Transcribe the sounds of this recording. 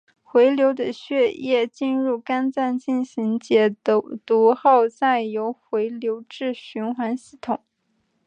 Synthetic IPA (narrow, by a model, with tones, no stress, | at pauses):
xwe˧˥ɪljo˧˥ʊd̪ə˧ɕɥɛ˥˧jɛ˥˧t͡ɕi˥˧nɻu˥˩ka˥nt͡sa˥˧nt͡ɕi˥˩nɕi˧˥ŋt͡ɕjɛ˧˥t̪u˧˥xɑ˥˧ʊt͡sa˥˩ɪjo˧˥ʊxwe˧˥ɪljo˧˥ʊʈ͡ʂɻ̩˥˩ɕy˧˥nxwa˧˥nɕi˥˩t̪ʰʊ˨˩˦ŋ